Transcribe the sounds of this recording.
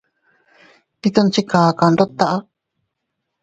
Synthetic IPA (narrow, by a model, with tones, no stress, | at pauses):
t̪i˦t̪o˦˧nt͡ʃi˦kaː˨ka˧˨˧ndo˦t̪a˧ʔa˦